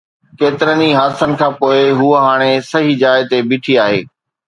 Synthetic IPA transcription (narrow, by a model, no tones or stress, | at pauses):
keːt̪ɪɾəniɦaːsənɪ̆kʰãːpoːɪɦuəɦaːɽ̃esɐɦid͡ʑaːɪt̪ebɪːʈʰiaːɦeː